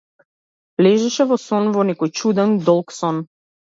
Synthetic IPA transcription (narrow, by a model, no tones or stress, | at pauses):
vlɛʒɛʃɛvɔsɔnvɔnɛkɔjt͡ʃud̪ɛnd̪ɔlˠksɔn